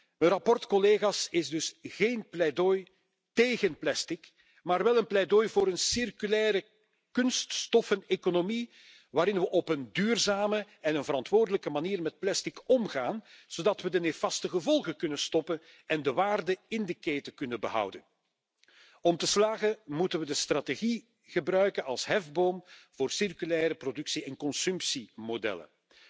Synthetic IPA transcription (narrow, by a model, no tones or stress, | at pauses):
ənrɑpɔrtkɔleːɣasɪzdɵsɣeːnplɛdoj | teːɣənplɛstɪk | maːrʋɛlˠənplɛjdojvoːɾənsɪrkylɛːɾə | kɵnststɔfənekonomi | ʋaːɾɪnʋəʔɔpəndyːrzaːmə | ɛnənvəɾɑntʋoːrdələkəmaniːrmɛt̚plɛstikʰɔmɣaːnz̥oːdɑtʋədənefɑstəɣəvɔlˠɣəkɵnəstɔpən | ɛndəʋaːrdəɪndəkeːtəkɵnənbəɦʌ̰wdə̰n | ɔmtəslaːɣəmutənʋədəstrateɣi | ɣ̥əbrœɥkənɑlˠsɦɛvboːmvoːrsɪrkylɛːɾəprodɵksiɛnkɔnsɵmpsimodɛ̰lə̰n